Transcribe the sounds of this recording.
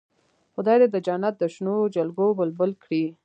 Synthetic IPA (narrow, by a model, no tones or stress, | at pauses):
xʊd̪ɑjd̪ed̪əd͡ʒanat̪̚d̪əʃnod͡ʒalɡobəlbəlkɽi